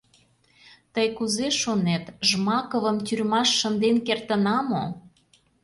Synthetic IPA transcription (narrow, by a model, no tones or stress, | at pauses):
t̪əjkuzeʃonet̪ʒmɑkə̆βə̆mt̪ʲyrmɑʃːənd̪enkert̪ə̆nɑmo